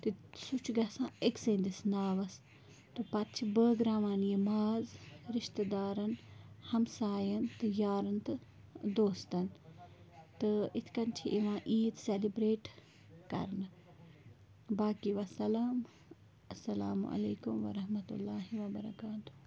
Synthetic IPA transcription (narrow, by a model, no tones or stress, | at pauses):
t̪isut͡ʃʰɡɐsãːeksẽnd̪isnaːʋɐs | t̪ɨpɐt̪̚t͡ʃʰibəɡɾaːʋaːnjimaːzɾɪʃt̪ɐd̪aːɾɐnhɐmsaːjɐnt̪ɐjaːɾɐnt̪ɨ | d̪oːst̪ɐn | t̪ɨit̪ʰkɐnt͡ʃʰiʔiʋãːʔiːt̪selibɾeːʈ | kɐ̰ɾnɨ | baːkiʋɐsɐlaːm | ɐsːɐlaːmṵɐ̰leːkumʋɐ̰ɾɐɦmɐt̪ṵlːaːɦiʋɐbɐɾɐkaːt̪u̥